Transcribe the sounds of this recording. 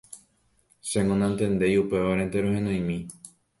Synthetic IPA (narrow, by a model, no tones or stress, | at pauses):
seŋõnãnt̪ẽ̞nd̪e̞jupe̞ʋaɾent̪eɾohẽnõj̃mĩ